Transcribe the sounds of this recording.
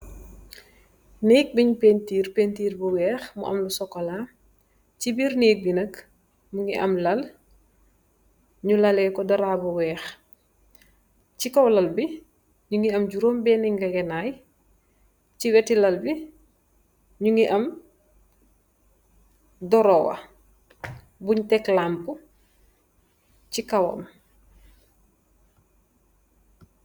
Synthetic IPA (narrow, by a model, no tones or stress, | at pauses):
neːk̚biɲupeːntiːrpeːntiːrbuwɛːxmṵʔɐ̰mlusɔkːɔla | cibiːrneːk̚binɐk | muŋiʔɐmlɐl | ɲulɐlɛkɔdɐɾaːbuwɛːx | cikɔwlɐlbi | ɲuŋiɐmɟuɾoːmbɛːniŋɡɐɡɛnaːj | ciwɛtilɐlbi | ɲuŋiʔɐm | dɔɾɔːwɐ̰ | buɲtɛklampu | cikɐwɐ̰m